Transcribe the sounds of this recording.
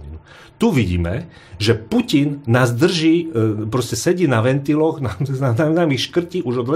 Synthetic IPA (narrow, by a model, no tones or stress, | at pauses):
inu | t̪uʋiɟḭːmɛ̰ | ʒɛpucinːaːzd̪r̩ʒiːpɾɔscɛsɛɟiːnaʋɛnt̪ilɔɣnaananamixʃkr̩ciːuʒɔd̪ʋɛ